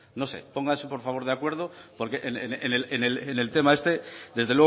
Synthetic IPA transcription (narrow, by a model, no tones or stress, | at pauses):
no̞sḛpo̞ŋɡansepo̞ɾfaβo̞ɾðeakweɾð̞opo̞ɾkeʔenenenelenelenelt̪e̞maest̪e̞d̪e̞zðelwe